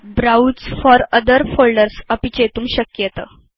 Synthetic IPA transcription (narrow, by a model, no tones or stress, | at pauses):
bɾaut͡sfɔɾəd̪əɾfolɖəɾsəpit͡ɕet̪uːmɕəkjət̪ə